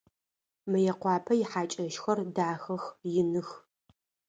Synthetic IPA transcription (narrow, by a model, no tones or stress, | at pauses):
mɨjɛqʷɑːpʰɐjɪħaːt͡ʃʼɐʃxɐrdaːxɐxjɪnɨx